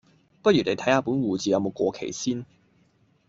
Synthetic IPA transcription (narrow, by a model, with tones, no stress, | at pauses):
pɐ˥t̚jy˨˩ne˨˧t̪ʰɐ˨˥jhaː˧pu˨˥nwuː˨t͡siː˨jɐ˨˧wmo˨˧wkʷɔː˧kʰḛ˨˩jsiː˥n